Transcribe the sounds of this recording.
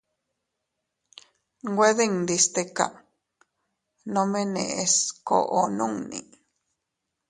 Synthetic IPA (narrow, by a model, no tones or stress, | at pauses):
ɡweðeŋd̪ist̪eka̰ | nomenḛʔesko̰ʔonuŋnḭ